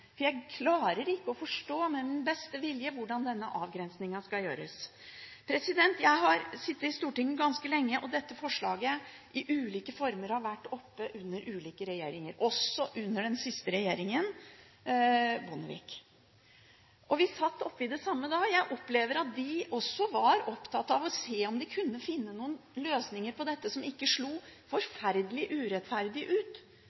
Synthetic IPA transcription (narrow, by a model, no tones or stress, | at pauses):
fɔjæɪkʰlɑːɾəɾɪkːəɔfɔʂʈoːmɛmɪnbɛst̪əʋɪljəʋʊɖɑnd̪ɛnːəʔɑːʋɡɾɛnsnɪŋɑskɑljø̰ːɾə̰s | pʰɾɛsɪd̪ɛnt̪jæɪɦɑɾsɪt̪ːəɪst̪uːʈɪŋːəɡɑnskəlɛŋːəʔɔd̪ɛt̪ːəfɔʂɭɑːɡəʔɪʔʉːliːkəfɔɾməɾɑɾʋæʈːɔpːəʔʉnːəɾʔʉːliːkəɾɛjeːɾɪŋəɾʔɔsːɔʔʉnːəɖɛnsɪst̪əɾɛjeːɾɪŋən | bʊnəʋḭːk | ʔɔʋɪsɑt̪ːɔpːɪd̪ɛsɑmːəd̪ɑːɡjæɪʔɔpːleːʋəɾɑt̪̚d̪ɪɔsːɔʋɑɾɔpt̪ʰɑt̪ːɑʋɔseːɔmd̪ɪkʰʉnːəfɪnːənuːənløːsnɪŋəɾpɔd̪ɛt̪ːəsɔmɪkːəʂɭuːfɔɾfæɾd̪əlɪʔʉːɾɛt̪fæɾd̪ɪʔʉːt̪